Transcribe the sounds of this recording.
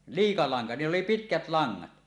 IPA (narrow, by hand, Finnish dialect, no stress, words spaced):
liːkɑ lɑŋkɑ niːlː oli pitkæt lɑŋːɑt